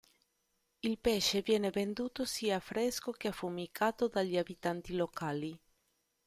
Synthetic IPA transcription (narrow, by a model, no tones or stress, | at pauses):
ilpɛʃevjɛːnevend̪uːt̪osiːaːfɾeskokeafumikʰaːt̪od̪aʎːiabit̪ant̪ilokʰaːli